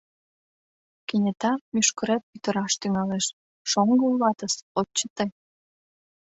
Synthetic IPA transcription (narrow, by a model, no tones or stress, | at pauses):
kenʲet̪ɑmyʃkəɾet̪̚pyt̪ə̆ɾɑʃt̪yŋɑleʃ | ʃoŋɡəullɑt̪əsott͡ɕːət̪ej